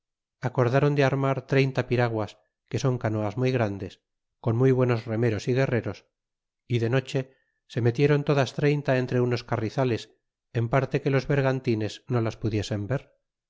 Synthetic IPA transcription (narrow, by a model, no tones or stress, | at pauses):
ako̞ɾðaɾo̞nd̪eaɾmaɾt̪ɾe̞jnt̪apiɾaɣwas | ke̞so̞ŋkano̞azmujɣɾand̪es | ko̞nmujβwe̞no̞zre̞me̞ɾo̞siɣe̞re̞ɾo̞s | iðe̞no̞t͡ʃe̞ | se̞me̞t̪je̞ɾo̞nt̪o̞ðast̪ɾe̞jnt̪ae̞nt̪ɾe̞uno̞skariθale̞s | empaɾt̪e̞ke̞lo̞zβe̞ɾɣant̪ine̞zno̞laspuðje̞se̞mbe̞ɾ